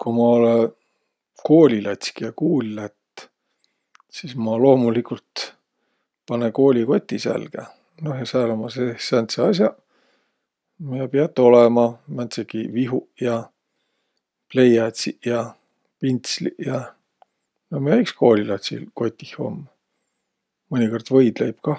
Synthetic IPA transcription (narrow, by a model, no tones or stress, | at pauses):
kumɑo̞le | ko̞ːlʲilɑt̪ʲsi̥kijɑkuːlʲilæt̪ː | sismɑlo̞ːmulikult̪ | pɑneko̞ːlʲiko̞t̪ʲːisæ̰lɡ̥e | nohjɑsæːlomɑsesænt̪seɑs̬ʲjɑ | miɑpiɑt̪ːˑo̞lɛmɑmænt̪sekiviɦujɑ | ple̞jɑt̪sijɑ | pint̪slḭjɑ | nohmeæiksko̞ːlʲilɑt̪sḭlko̞t̪ʲːˑihho̞̰mː | ɨnʲiko̞rd̪̥vɤjd̪̥lejb̥kɑ